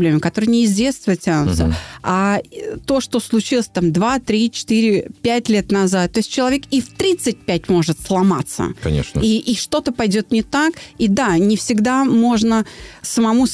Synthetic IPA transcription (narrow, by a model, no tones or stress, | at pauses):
blʲemɪkɐt̪o̞ɾɨjnʲɪɪzvʲe̞t̪st̪əvətʲanʊ̰t̪səat̪o̞ʂt̪o̞slˠʊt͡ɕilˠəsʲt̪amd̪vat̪ɾʲit͡ɕɪ̥t̪iɾʲɪpʲætʲlʲe̞t̪nɐzat̪̚ːo̞ɪsʲt̚ʲt͡ɕːɪlˠɐvʲekift̪ɾʲit̪sɨt̚ʲpʲæt̚ʲmo̞ʐɨt̪slˠɐma̰t̪sə̰kɐ̰nʲḛʂniʔːʂt̪o̞t̪əpɐjdʲo̞t̪nʲɪt̪akid̪anʲɪfsʲɪɡd̪amo̞ʐnəsəmɐmu